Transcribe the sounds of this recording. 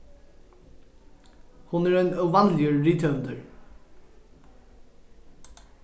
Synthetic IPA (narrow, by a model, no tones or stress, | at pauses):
hʊnæːɹeɪnəʋɑnlɪəɹɹɪt̪ʰœnd̪əɹ